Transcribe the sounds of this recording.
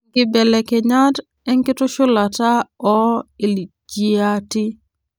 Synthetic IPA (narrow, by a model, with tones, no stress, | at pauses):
ɡɪ˨bɛ˨lɛ˨ke˨ɲa˦t | ɛ˦ŋkɪ˦to˦ʃo˦la˨ta˦ɔ˦ɪ˨li˨ | d͡ʒi˦a˦ti˦